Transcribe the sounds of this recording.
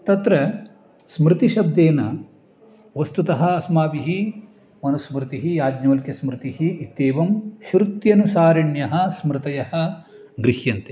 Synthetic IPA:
t̪ɐt̪ɾɐ | smɾɪt̪iʃɐb̚d̪eːnɐ | ʋɐst̪ut̪ɐɦɐːsmaːʋiɦi | mɐnɐsmɾɪt̪iɦijaːd̪ɲɐʋɐlkɐsmɾɪt̪iɦiːt̪ːeːʋɐmʃɾut̪jɐnusaːɾɐɳjɐɦɐ̆smɾɪt̪ɐjɐhɐ̆ | ɡɾihjɐnt̪e

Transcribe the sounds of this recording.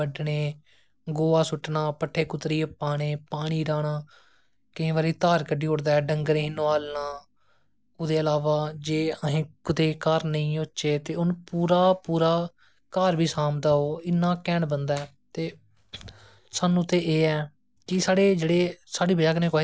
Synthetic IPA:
əɖɳeː | ɡoːaːsʊʈːnaːpəʈʰːeːkʊt̪ɾiːəpaːɽ̃eːpaːɽ̃iːɾaːɽ̃aː | kɪĩːʋaːɾiːt̪aːɾkəɖiːɦʊɽd̪aːɛːɖəŋɡəɾẽːɦɪnoːaːlnaː | ʊd̪eːəlaːʋaːd͡ʒeːəɦẽːkʊt̪eːkaːɾnəĩːoʃeːt̪eːʊnpuːɾaːpuːɾaː | kaːɾbʱiːsaːmd̪aːoːɪnːãːkɛːɳbənd̪aɛː | t̪eː | saːnũːt̪eːʔeːɛː | kɪsaːɽeːd͡ʒeːɽeːsaːɽiːbəd͡ʒaːkənẽːko

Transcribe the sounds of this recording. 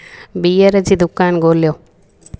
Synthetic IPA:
bijəɾəd͡ʒid̪ʊkːaːnɡoːljo

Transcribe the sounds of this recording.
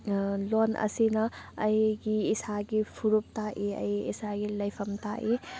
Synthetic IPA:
lonʔɐ̰sinɐɐjɡiːsaɡipʰuɾup̚taʔiɐ̰jisaɡilɐjpʰɐmtaʔi

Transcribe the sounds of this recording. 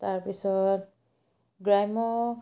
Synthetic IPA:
taɹpisɔt | ɡɹajmɔ

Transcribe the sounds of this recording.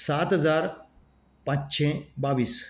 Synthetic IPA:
saːt̪ɦəzaːɾ | pãt͡ʃt͡ʃʰẽbaːʋiːs

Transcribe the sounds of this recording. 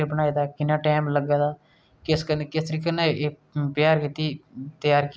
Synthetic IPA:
ɾbəñaːiːd̪aːkɪnːãːʈaːmləɡaːd̪aː | kɪskənekɪst̪əɾiːkəneeː | pjaːɾkiːt̪iːt̪jaːɾkː

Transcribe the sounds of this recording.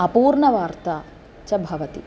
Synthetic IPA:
ɐpuːɾɳɐʋaːɾt̪a | t͡ʃɐbʱɐʋɐt̪ḭ

